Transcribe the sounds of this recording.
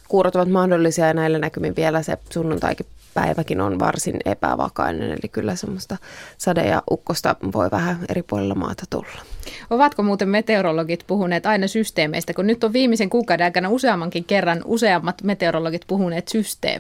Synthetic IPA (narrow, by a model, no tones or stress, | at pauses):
kuːrot̪ːɑʋɑt̪mɑhdolːisiɑjnæelːænækymiʋielæsḛsunːunt̪ɑ̰ikipæiʋækinonʋɑ̰rsinḛpæ̰ʋɑ̰kɑinḛnḛlikylːæsemːost̪ɑsɑdḛjɑ̰ʔukːost̪ɑʋo̰iʋæhæeɾipuolelːɑmɑ̰ːt̪ɑt̪ṵlːɑ̥oʋɑt̪komuːt̪emmet̪eoɾoloɡit̪puhuneːt̪ɑinɑsyst̪eːmeist̪ækunnyt̪ːoʋʋiːmiseŋkuːkɑˑwdeɑˑikɑnɑuseɑmːɑŋkiŋkerːɑnuseɑmːɑt̪met̪eoɾoloɡit̪puɦuneːt̪syst̪ḛː